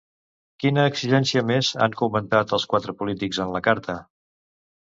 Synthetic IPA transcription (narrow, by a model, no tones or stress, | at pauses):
kinəːksiʒɛnsiəmeza̰ŋkumənt̪at̪əlˠskwat̪ɾəpulit̪ikzənləkaɾt̪ʰə